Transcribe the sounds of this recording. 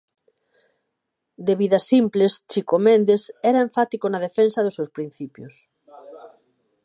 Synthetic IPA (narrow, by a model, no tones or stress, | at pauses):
d̪eβiðɐsimplest͡ʃikomẽnd̪esɛɾaeɱfat̪ikonað̞efensɐðʊsewspɾin̟θipjʊs